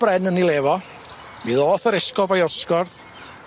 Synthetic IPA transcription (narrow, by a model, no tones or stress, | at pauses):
b̥rɛnənilˠeːvɔ | miːðoːθəɾɛskɔbajɔskɔrθ